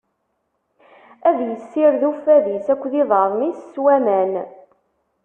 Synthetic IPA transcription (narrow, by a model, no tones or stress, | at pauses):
æðjəsːɪɾðufæðisækʷːðiðˤɑɾˤmisswæmæn